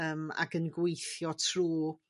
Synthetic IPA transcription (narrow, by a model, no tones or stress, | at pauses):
əːma̰ɡənɡwejθjɔtʰruː